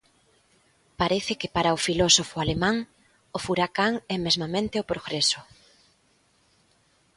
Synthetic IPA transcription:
paɾeθɪkɪpaɾaʊfilɔsofʊalemãŋ | ʊfuɾakaŋɛmezmamẽnt̪eopɾoɣɾesʊ

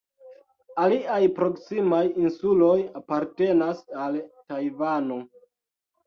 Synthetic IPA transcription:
aliajpɾo̞ksimajinsulojapaɾte̞nasaltajvano̞

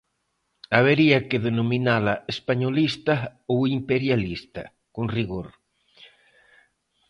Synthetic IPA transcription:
aβ̞eɾiakeðenomĩnalaespaɲolist̪aowimpeɾjalist̪ɐ̰ | konriɣoɾ

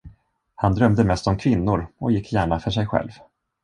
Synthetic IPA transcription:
hand̪ɾœmd̪əmɛst̪ɔmkʰvɪnːʊɾɔjɪkʰːjæːɳafœʂɛjɧɛ̰lv

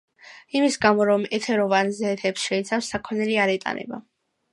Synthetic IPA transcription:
imisɡamɔɾɔmɛt̪ʰɛɾɔvanzɛːt̪ʰɛpsʃɛit̪sʰafsːakʰɔnɛliaɾɛt̪ʼa̰nɛ̰ba̰

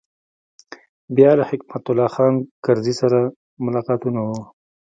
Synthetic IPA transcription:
bjɑlahɪkmat̪ʊlːɑxɑːnkaɾzisaɾa | mʊlɑqɑt̪unawu

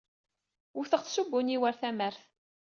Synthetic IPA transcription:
ʊθəʁθsubːʊniwəɾθæməɾθ

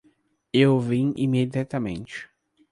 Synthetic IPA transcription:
ewvĩḭmed͡ʒiat̪ɐmḛ̃nt͡ʃɪ̥

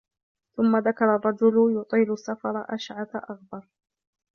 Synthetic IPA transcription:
θʊmːaðakɑɾˤɑrˤːɑd͡ʒʊljʊt̪ˤiːlʊsːafɑɾˤɑʔaʃʕat̪aʔaɣbɑɾˤ

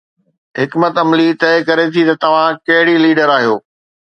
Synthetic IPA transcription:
ɦɪkmət̪ɐmlit̪ɐːkɐɾet̪ʰit̪ɐt̪ɐʋ̤ãkɐɦɪɽiliːɖəɾaːɦijoː

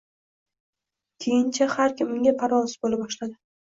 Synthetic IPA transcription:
kʲʰejɪnt͡ʃʰahaɾkʲɪmʊŋɡʲapʰaɾɒlsɪ̥bolabɒʃlad̪ɪ

